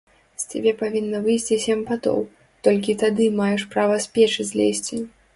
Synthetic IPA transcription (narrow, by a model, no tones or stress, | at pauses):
sʲt͡sʲabʲɛpavʲinːɐvɨjsʲt͡sʲisʲɛmpat̪ɔ̰w | t̪ɔlʲk̬ʲit̪ad̪ɨmajɛʂpɾavɐsʲpʲɛt͡ʂɨzʲlʲesʲt͡sʲi